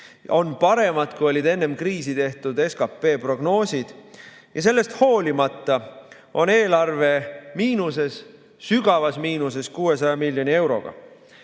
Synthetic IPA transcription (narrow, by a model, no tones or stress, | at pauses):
o̞npɑɾe̞mɑd̪̥kujo̞lʲid̪e̞nːe̞mkriːsit̪e̞ht̪ud̪̥e̞skɑpːˑe̞ːpro̞ɡno̞ːsʲid̪̥ | jɑs̬e̞lːe̞st̪ho̞ːlʲimɑt̪ˑːɑ | ʔo̞neːlɑrve̞miːnuse̞s | syɡ̥ɑvɑsmiːnuse̞skuːe̞sɑjɑmilʲjo̞nie̞wɾo̞̰ɡ̥ɑ̰